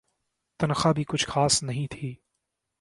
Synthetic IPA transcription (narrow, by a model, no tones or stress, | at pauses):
t̪ɐnxaːbʱikʊt͡ʃʰxaːsnɐɦĩt̪ʰiː